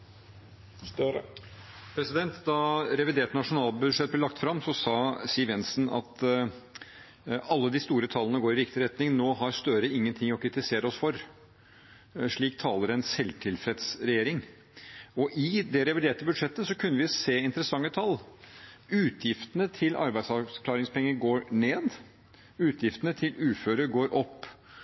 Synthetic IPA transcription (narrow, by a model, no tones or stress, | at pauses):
pʰɾɛsɪd̪ɛnt̪d̪ɑɾɛʋɪd̪eːʈnɑʂʊnɑːlbʉd̪ʂɛt̪̚blɛlɑkt̪fɾɑmːsɔsɑːsiːʋɛnsnɑ̰t̪ | ɑlːəd̪ɪst̪uːɾət̪ʰɑlːənəɡoːɾɪɾɪkt̪ɪɾɛt̪nɪŋnoːɦɑɾst̪œɾəɪŋːənt̪ʰɪŋɔkʰɾɪt̪ɪseːɾəɔsfɔɾ | ʂɭiːkt̪ʰɑːləɾɛnsɛlt̪ʰɪlfɾɛt̪sɾɛjeːɾɪŋ | ɔʔɪd̪ɛɾɛʋɪd̪eːʈəbʉd̪ʂɛt̪ːəsɔkʰʉnːəʋɪseːɪnt̪əɾəsɑŋːət̪ʰɑlː | ʉːt̪ʰjɪft̪ənət̪ʰɪlʔɑ̰ɾbæɪd̪sɑkʰlɑːɾɪŋspʰɛŋːəɾɡoːɾɳeːd̪ | ʉːt̪ʰjɪft̪ənət̪ʰɪlʉːføːɾəɡoːɾʔɔpː